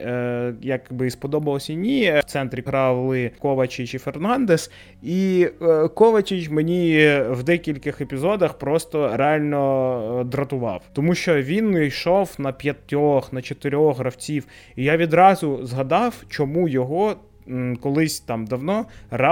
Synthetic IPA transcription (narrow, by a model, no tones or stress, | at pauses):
jɐkbɪspɔd̪ɔbɐlˠɔsʲɐnʲit̪sɛnt̪ɾʲiɦɾɑwlˠɪkɔʋɐt͡ʃɪt͡ʃifernɑnd̪es | i | kɔʋɐt͡ʃʲɪt͡ʃmenʲiwd̪ɛkʲilʲkɪxepʲizɔd̪ɐxpɾɔst̪ɔɾeɑlʲnɔd̪ɾɐt̪ʊʋɑ̰wt̪ɔmuʃt͡ʃɔʋʲinijʃɔwnɐpʲjɐt̪ʲːɔxnɐt͡ʃɔt̪ɪɾʲɔxɦɾɐwt͡sʲiw | ijaʋʲid̪ɾɑzʊzɦɐd̪ɑwt͡ʃɔmujɔɦɔ | kɔlˠɪsʲt̪ɑmd̪ɐwnɔɾ